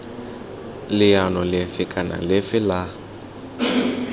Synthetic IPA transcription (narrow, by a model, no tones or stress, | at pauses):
lɪjanɔlɪfɪkʼana̰lɪfɪla